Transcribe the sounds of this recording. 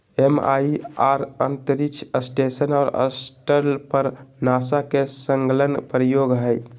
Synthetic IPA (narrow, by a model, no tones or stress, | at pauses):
ema̰iaɾənt̪əɾikt͡ʃʰəsʈesənɔːɾə̰sʈəɾlpəɾnasakesəŋɡlənpɾəjoɡɦəj